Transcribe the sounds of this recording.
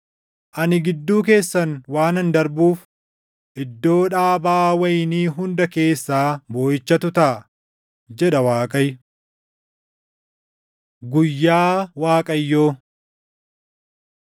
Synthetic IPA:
ʔɐnɪɡɪd̪ːuːk̬e̞ːsːɐnwaːnɐnd̪ɐɾbuːf | ʔɪd̪ːo̞ːᶑaːbaːwɐjniːɦʊnd̪ɐke̞ːsːaːbo̞ːjɪt͡ʃːɐt̪ʊt̪ɐ | d͡ʒɛᶑɐwaːkʼɐj | ɡʊjːaːwaːkʼɐjːoː

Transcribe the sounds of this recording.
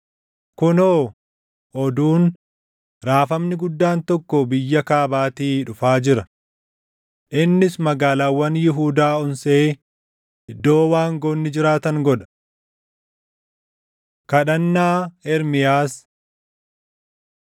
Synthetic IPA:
kʊnoː | ʔɔd̪uːn | ɾaːfɐmnɪɡʊd̪ːaːnt̪ɔkːɔbɪjːɐkaːbaːt̪iːᶑʊfaːd͡ʒɪɾɐ | ʔɪnːɪsmɐɡaːlaːwːɐnjɪɦuːd̪aːɔnseː | ʔɪd̪ːo̞ːwaːŋɡoːnːɪd͡ʒɪɾaːt̪ɐŋɡɔᶑɐ̥ | kɐɗɐnːaːɛɾmɪjaːs

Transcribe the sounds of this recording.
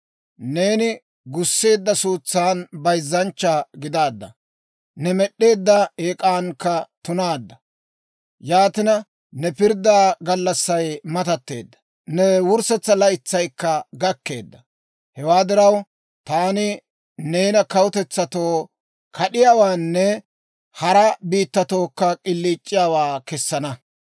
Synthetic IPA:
ne̞ːnɪ | ɡʊsːe̞ːd̪ːɐsuːt͡sːaːnbɐjzːɐnt͡ʃːaɡɪd̪aːd̪ːɐ̰ | nɛmɛɗːe̞ːd̪ːɐeːkʼaːnkːɐt̪ʊnaːd̪ːɐ | jaːt̪ɪnɐ | nɛpɪɾd̪aːɡɐlːɐsːɐjmɐt̪ɐt̪ːe̞̰ːd̪ːɐ̥ | nɛwʊɾsɛt͡sːɐlɐɪt͡sːɐjkːɐɡɐkːe̞̰ːd̪ːɐ | hɛwaːd̪ɪɾɐw | t̪aːnɪ | ne̞ːnɐkɐwʊt̪ɛt͡sːɐt̪o̞ː | kʰɐɗɪjaːwaːnːɛ | hɐɾɐbiːt̪ːɐt̪oːkːɐkʼɪlːiːt͡ʃʼːɪjaːwaːkɛsːɐnɐ

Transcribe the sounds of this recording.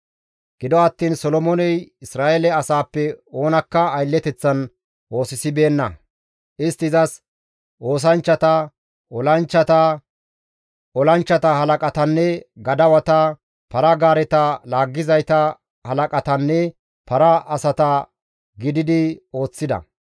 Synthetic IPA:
ɡ̥ɪd̪ɔɐt̪ːiːnsɔlɔmɔnɛjɪsɾaːʔelɛɐsaːpːɛo̞ːnɐkːɐːjlːɛt̪ɛt͡sːɐn | ʔo̞ːsɪsɪbe̞ːnːɐ̰ | ʔɪst̪ːɪzɐs | ʔo̞ːs̬ɐnt͡ʃːɐt̪ɐ | ʔɔlɐnt͡ʃːɐt̪ɐ | ɔlɐnt͡ʃːɐt̪ɐhɐlɐkʼɐt̪ɐnːɛɡɐd̪ɐwɐt̪ɐ | pɐɾɐɡaːɾɛt̪ɐlaːɡːɪzɐjt̪ɐ | hɐlɐkʼɐt̪ɐnːɛ | pɐɾɐɐsɐt̪ɐ | ɡɪd̪ɪd̪ɪo̞ːt͡sːɪd̪ɐ̰

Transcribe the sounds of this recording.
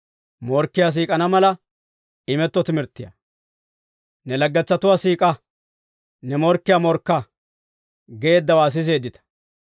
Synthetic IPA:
mɔɾkːɪjas̬iːkʼɐnɐmɐlɐ | ɪmɛt̪ːɔt̪ɪmɪɾt̪ːɪjɐ̰ | nɛlɐɡːɛt͡sːɐt̪ʊwaːsiːkʼɐ | nɛmɔɾkːɪjamɔɾkːɐ | ɡeeːd̪ːɐwaːs̬ɪs̬e̞ːd̪ːɪt̪ɐ̥

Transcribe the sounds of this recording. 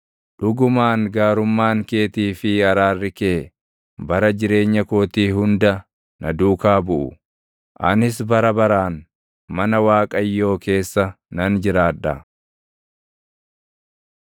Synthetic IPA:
ᶑʊɡʊmaːŋɡaːɾʊmːaːŋke̞ːt̪iːfɪɐɾaːrːɪkeː | bɐɾɐd͡ʒɪɾe̞ːɲːɐkoːt̪iːɦʊnd̪ɐ | nɐd̪uːkaːbʊʔʊ̰ | ʔɐnɪsbɐɾɐbɐɾaːn | mɐnɐwaːkʼɐjːo̞ːke̞ːsːɐ | nɐnd͡ʒɪɾaːᶑːɐ

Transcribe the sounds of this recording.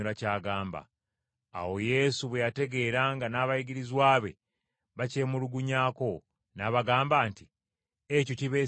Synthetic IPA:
uɾacaːɡaːmba̰ː | wo̞je̞ːsuβwejate̞ɡe̞ːɾaːŋɡanaːβajiɡiɾizwaːβe̞̰ | βace̞ːmuluɡuɲaːko̞ | naβaɡaːmbaːnti | ecociβe̞

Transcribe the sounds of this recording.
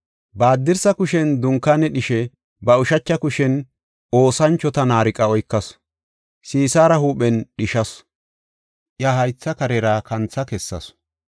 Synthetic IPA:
baːd̪ːɪɾsɐkʊʃɛnd̪ʊŋkːanːɛɗɪʃɛ | bɐʊʃɐt͡ʃːɐkʊʃɛn | o̞ːsɐnt͡ʃːɔt̪ɐnaːɾɪkʼɐɔjkːɐs | siːsaːɾɐhuːɓɛnɗɪʃɐs | ʔjaːhɐjt͡sːɐkɐɾɛɾaːkɐnt͡sːɐkɛsːɐ̰s

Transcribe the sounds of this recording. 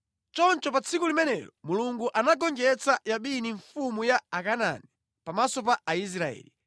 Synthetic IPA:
t͡ʃɔnt͡ʃɔpat͡sʰikulimɛnɛjɔmuluŋɡuʔanaɡɔŋd͡ʒɛt͡sajaɓiniɱfumujaːkana̰ni | pamasɔpaːis̬ɾaɛ̰ːli

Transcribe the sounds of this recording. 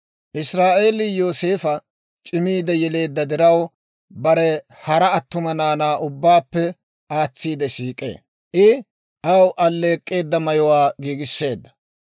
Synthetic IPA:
ʔɪsɾaːʔe̞ːlɪjo̞ːse̞ːfɐ | t͡ʃʼɪmiːd̪ɛjɛle̞ːd̪ːɐd̪ɪɾɐw | bɐɾɛ | hɐɾɐɐt̪ːʊmɐnaːnaːʔʊbːaːpːɛ | aːt͡sːiːd̪ɛʃiːkʼːe̞̰ː | ʔɪ | ʔɐwʔɐlːe̞ːkʼːe̞ːd̪ːɐmɐjɔwaːɡiːɡɪsːe̞ːd̪ːɐ̥

